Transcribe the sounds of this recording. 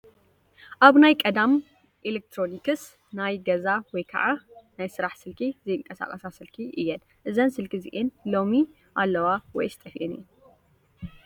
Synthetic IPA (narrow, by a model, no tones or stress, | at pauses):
ʔaβnajkʼɐd̪am | ʔilek̚t̪ʰɾo̞nikʰɨs | najɡɐzawɔjkʰɐ̰ʕanajsɨɾaħsɨlkʰizɐjɨŋkʼːɐsa̰kʼɐsasɨlkʰiʔɨjːɛn | ʔɨzɐnsɨlkʰizḭʔenlo̞mi | ʔalːɐwawɔ̰jst̪ʼɐfiʔinɨ̰ɛn